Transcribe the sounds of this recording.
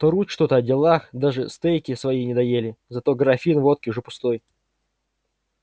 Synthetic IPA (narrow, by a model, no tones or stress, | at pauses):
t̪oɾutʲʂt̪o̞t̪əɐdʲɪlˠaxd̪aʐɨst̪ɛjkʲɪsvɐinʲɪd̪ɐjelʲɪzɐt̪o̞ɡɾɐfʲinvo̞t̪̚kʲɪʊʐɛpʊ̥st̪o̞j